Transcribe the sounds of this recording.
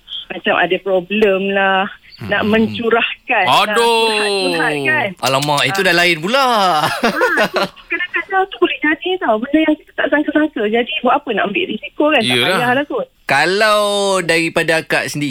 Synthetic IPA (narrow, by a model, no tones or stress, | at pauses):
mat͡ʃamʔa̰dapɾobləmlahna̰ʔmə̃ɲt͡ʃuɾahkanado | akanalamãʔit̪udalaɪnpula | kadakad͡ʒat̪ubolɪhd͡ʒadit̪awbəndəjaŋkit̪ə̥t̪aʔsaŋkasaŋkəd͡ʒadibwaʔapəna̰ʔəmbɪ̰ʔɾisikokanllahalak̪u | kalawdaɾipadaakaʔsəndi